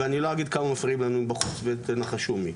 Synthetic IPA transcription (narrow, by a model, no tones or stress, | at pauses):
eanilo̞aɡid̪kamamafʁiimlanuimbaχut͡svet̪enaχaʃumi